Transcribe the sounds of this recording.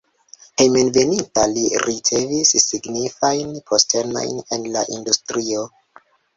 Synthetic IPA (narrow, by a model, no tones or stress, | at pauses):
hejmenve̞nintaliɾit͡se̞visːiɡnifajnpʰo̞stʰe̞no̰jne̞nla̰ʔindustɾio̞